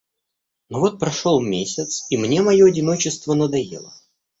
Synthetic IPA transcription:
novo̞t̪̚pɾɐʂo̞lˠmʲesʲɪt̪simnʲe̞mɐjo̞ɐdʲɪno̞t͡ɕɪst̪vənəd̪ɐjḛlˠə̰

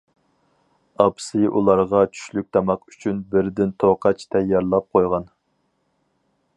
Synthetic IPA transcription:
ɑpsɪʔulˠɑɾʁɑt͡ʃʰy̥ʃlyk̚ʲt̪ʰɑmɑqy̥t͡ʃʰynbɪɾd̪ɪnt̪ʰoqʰɑt͡ʃt̪ʰɛjːɑɾlˠɑp̚qʰojʁɑn

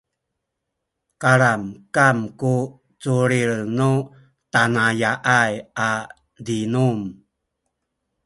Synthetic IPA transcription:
kaɾamkamku | t͡suɾiɭnu | tanajaʔaja | dinum

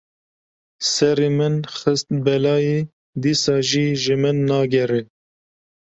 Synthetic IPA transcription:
sɛɾemɨnxɨst̪̚bɛlɑːje | d̪iːsɑːʒiːʒɨmɨnːɑːɡɛɾɛ

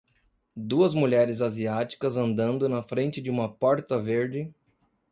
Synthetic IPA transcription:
d̪uɐzmuʎɛɾɪzaziat͡ʃi̥kɐzɐ̃nd̪ɐ̃nd̪ʊnɐfɾẽnt͡ʃɪd͡ʒɪũmɐpɔɾt̪ɐveɾd͡ʒɪ

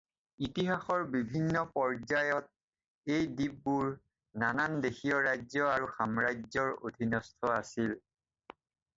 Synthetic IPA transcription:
itiɦaxɔɹbibʱinːɔpɔɹzajɔt̚ | ejdib̚ːuɹ | nanandexijɔɹajzɔaɹuxamɹajzɔɹo̰dʱinɔstʰɔasil

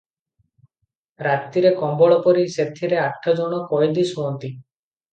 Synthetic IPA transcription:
ɾat̪iɾekɔmbɔɭɔpɔɾiset̪ʰiɾeaʈʰːɔd͡ʒɔɽ̃ɔkɔjd̪isuɔnt̪i

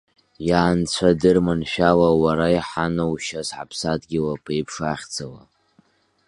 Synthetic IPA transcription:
jaːnt͡sʷʰadɨrmanʃᶣalawaɾaiħanowʃasħa̰pʰsadɡʲɪlapʰejpʰʂaχʲd͡zawa̰

